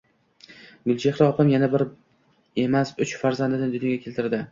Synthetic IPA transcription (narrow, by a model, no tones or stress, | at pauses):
ɡʊlˠt͡ʃʰeχɾaɒqɨmjanabɪɾ | e̞masʊt͡ʃfaɾzand̪ɪnɪd̪ʊnjoɡʲakʰʲe̞lt̪ɪɾd̪ɪ